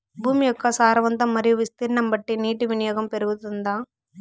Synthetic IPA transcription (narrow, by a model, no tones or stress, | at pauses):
bʱuːmijɔkːɐsaːɾɐʋɐnt̪ɐmːɐɾijuʋist̪iɾnɐmbɐʈːiniːʈiʋinijɔːɡɐmpeɾɯɡut̪und̪aː